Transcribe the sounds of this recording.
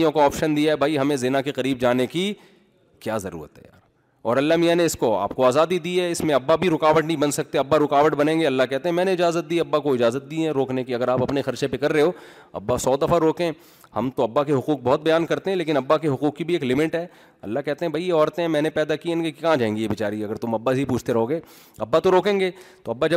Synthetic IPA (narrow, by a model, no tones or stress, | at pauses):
jõkoɔːpʃənd̪iaɦɛbʱaːiɦɐmẽzɪnakeqɐɾiːb̚d͡ʒaːneki | kjaːzɐɾṵːɾə̰t̪ɦɛ̰ja̰ːɾ | ɔ̰ːɾɐlːamijaneɪskoa̰ːp̚koaːzaːd̪id̪iːɦɛɪsmẽɐbːabʱiɾʊkaːʋəʈnɐɦĩbɐnsɐk̚t̪eɐbːaɾʊkaːʋəʈbɐnẽːŋɡeɐlːakɛɦt̪ẽɦɛ̃mɛ̃ːneɪd͡ʒaːzət̪̚d̪iːɐbːakoɪd͡ʒaːzət̪̚d̪iːɛ̃ɾoːknekiɐɡəɾaːpɐpnexɐɾt͡ʃẽpekɐɾːeɦoː | ɐ̰bːasɔːd̪ɐfaɾoːkẽ | hɐ̰mt̪oɐbːakeɦʊkuːk̚bɔɦːʊt̪̚bɐjaːnkɐɾt̪eɦɛ̃leːk̬ɪnɐbːakeɦʊkuːkːibʱieːklɪmɪʈɦɛː | ɐ̰lːakɛɦt̪eɦɛ̃bʱɐijeɔːɾt̪ẽɦɛ̃mɛ̃ːnepɛːd̪akiẽnɡekikaãd͡ʒaːɦẽːŋɡijebɪt͡ʃaːɾiɐɡəɾt̪ʊmɐbːasipuːt͡ʃʰt̪eɾɐɦoːɡeː | ɐbːat̪oɾoːkẽːŋɡeːt̪oɐbːad͡ʒɐ